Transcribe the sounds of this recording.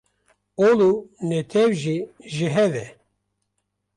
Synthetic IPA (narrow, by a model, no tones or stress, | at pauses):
olunɛt̪ʰɛwʒiʒiɦɛvɛ̰